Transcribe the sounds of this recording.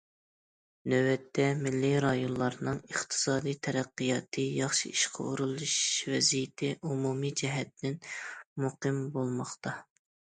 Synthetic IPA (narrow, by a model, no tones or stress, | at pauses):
nøwɛt̪ʰːɛmɪlːiɾɑjonlˠɑɾnɨŋəχt̪ʰɨ̥sɑːd̪ijt̪ʰɛɾæqːijɑt̪ʰɨjɑχʃiiʃqʰɑ̰uɾulˠuʃvɛzijɪt̪ʰɪʔumumid͡ʒɛɦɛt̪ːɪnmuqɨmbolˠmɑχt̪ɑ